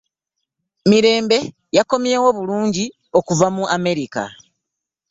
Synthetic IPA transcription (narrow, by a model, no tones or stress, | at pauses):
miɾe̞ːmbe̞ | jako̞mje̞ːwo̞βuluːɲɟi | o̞kuvamuʔame̞ɾika̰